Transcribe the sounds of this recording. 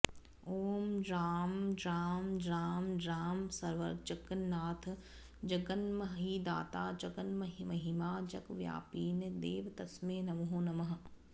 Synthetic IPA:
oːmɖɾaːmɖɾaːmɖɾaːmɖɾaːmsɐɾʋɐ̰ɾt͡ʃɐkɐnːaːt̪ʰ | d͡ʒɐɡɐnmɐɦɦiːd̪a̰ːt̪aːd͡ʒɐɡənmɐɦmɐɦimaːd͡ʒɐkʋja̰ːpiːnd̪eːʋt̪ɐsmeːnɐʋɦõːnɐmɐɦ

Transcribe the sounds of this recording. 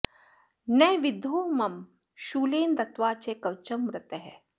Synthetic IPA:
nɛːʋɪd̪ʱuːmɐm | ʃuːleːnd̪ɐt̪ʋaːt͡ʃekɐwt͡ʃɐmːɾɪt̪ɐɦɛ

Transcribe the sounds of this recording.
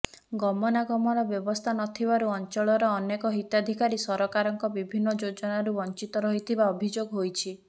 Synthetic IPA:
ɡɔmɔnaɡɔmɔɾɔbjɔbɔst̪ʰanɔt̪ʰibaɾuɔnt͡ʃɔɭɔɾɔːnekɔɦit̪jad̪ʱikaɾisɔɾɔkaɾɔŋkɔbibʱinːɔd͡ʒod͡ʒɔnaɾubɔnt͡ʃit̪ɔɾɔɦit̪ʰibaɔbʱid͡ʒoɡɦojt͡ʃʰi

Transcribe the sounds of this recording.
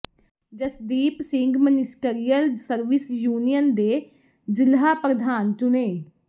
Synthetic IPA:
d͡ʒəsd̪iːpsɪ̃ŋɡmənɪsʈeɾijəlsəɾʋɪsjuːnijənd̪eː | zɪlɦaːpɾəd̪ʱaːnt͡ʃʊneː

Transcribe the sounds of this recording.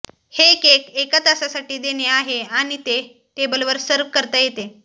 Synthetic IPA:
hekekekət̪əsasaʈiːd̪eneaɦeaɽ̃it̪e | t̪ebəlʋəɾsəɾʋkəɾt̪əːjet̪e

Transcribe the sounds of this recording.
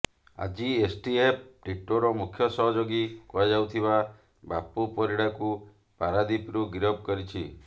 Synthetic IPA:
a̰d͡ʒiesʈiep̚ʈiʈoɾɔmukʰjɔsɔɦɔd͡ʒoɡikuad͡ʒawt̪ʰiba | bapupɔɾiɽaku | paɾad̪ipɾuɡiɾɔb̚ʱkɔɾit͡ʃʰi

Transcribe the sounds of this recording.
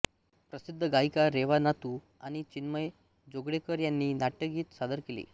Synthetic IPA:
pɾəsid̪ʱːəɡaikaɾeʋanat̪u | aɽ̃it͡ɕinməj | d͡zoɡɽekəɾjanːiːnaʈːəɡiːt̪sad̪əɾkelḭː

